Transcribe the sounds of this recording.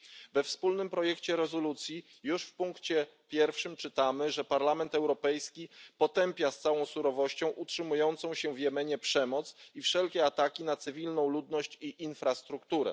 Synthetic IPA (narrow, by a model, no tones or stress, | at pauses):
vɛfspulnɘmpɾɔjɛkt͡ɕɛɾɛzɔlut̪sʲji | juʂfpuŋkt͡ɕɛ | pʲjɛɾfʂɘmt͡ʂɘt̪amɘʐɛpaɾlamɛnt̪ɛwɾɔpɛjskʲipɔt̪ɛmpʲjast̪sawɔ̃w̃suɾɔvɔɕt͡ɕɔ̃w̃ʔutʂɘmujɔnt̪sɔ̃w̃ɕɛvjɛmɛɲɛpʂɛmɔt̪sifʂɛlkʲɛat̪akʲinat̪sɘvʲilnɔ̃w̃lud̪nɔɕt͡ɕiʔinfɾast̪ɾukt̪uɾɛ̰